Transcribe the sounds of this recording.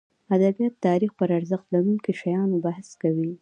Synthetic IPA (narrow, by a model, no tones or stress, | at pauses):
ad̪abijat̪ːɑɾixpəɾaɾzəxt̪laɾuŋkiʃajɑnobahskawi